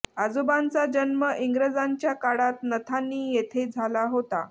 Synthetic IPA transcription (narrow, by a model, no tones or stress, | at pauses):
ad͡zobant͡sad͡ʑənməʔiŋɡɾəd͡zaɲt͡ɕjakaɽat̪̚nət̪ʰanːiːjet̪ʰed͡zʱalaɦot̪a